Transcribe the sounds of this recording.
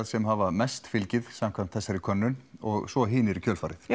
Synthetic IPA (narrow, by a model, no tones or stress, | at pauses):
ðsɛmhavamɛst̪fɪlcɪðsamkʰvamt̪θɛsːaɾɪkʰœnːʏnɔɣsvɔɦiːnɪɾicʰœːlfaːɾɪθ